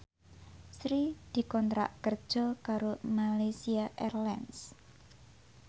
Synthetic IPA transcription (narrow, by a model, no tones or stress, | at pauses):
sɾid̪̥i̤kɔnt̪ɾa̰ʔkərd̥ʒ̥ɔ̤kaɾomalajsiaʔɛrlɛns